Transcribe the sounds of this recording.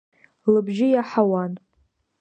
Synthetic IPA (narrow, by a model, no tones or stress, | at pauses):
lɨbʒɪjaħawan